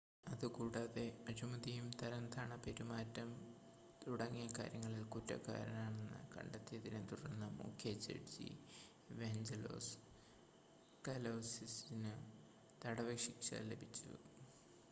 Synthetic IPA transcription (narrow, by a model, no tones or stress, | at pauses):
ɐðɨkuːɽaːðe̞ɐɾumɐðijumt̪ɐɾɐnt̪ʰaːɳɐpe̞ɾumaːtːɐm | t̪uɽɐŋːijɐka̰ːɾjɐŋːɐɭilkutːɐ̰kːa̰ːɾɐnaːɳe̞nːɨ̰kɐ̰ɳɖɐt̪ːijɐðinet̪uɽɐnːɐmṵːkʰjet͡ɕḛʈd͡ʑḭ | ʋeɲd͡ʑɐlo̞̰ːs | kɐlɐwsisinɨ | t̪ɐɽɐʋɐkʂikɕa̰ːlːebʱit͡ɕːṵ